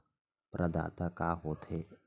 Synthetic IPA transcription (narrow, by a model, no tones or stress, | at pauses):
pɾʔəd̪a̰ːt̪akaːɦoːt̪e